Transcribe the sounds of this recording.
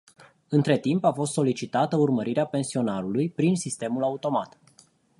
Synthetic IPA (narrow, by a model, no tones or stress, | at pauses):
ɨnt̪ɾe̞t̪impafo̞s̬t̪so̞lit͡ʃit̪at̪əurməɾiɾeape̞nsio̞naɾulujpɾinsist̪e̞mulaut̪o̞mat̪